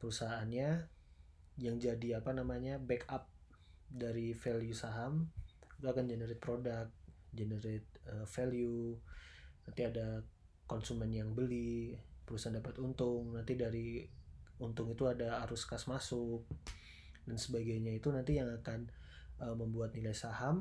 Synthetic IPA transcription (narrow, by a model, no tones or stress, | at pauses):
pəɾusaɦaːnɲa | jaŋd͡ʒadiapanamaɲabɛkʰap̚ | daɾifeljusaɦamut̪uakand͡ʒenəɾɪt̪̚pɾodak̚t̪̚d͡ʒenəɾet̪̚əfelju | nant̪iada | kɔnsumɛnjaŋbəlipəɾusaandapat̪unt̪ʊŋnant̪idaɾi | unt̪ʊŋit̪uadaːɾuskasmasʊk̚ | dansəbaɡajɲait̪unant̪ijaŋakan | əmːəmbuat̪̚nilajsaham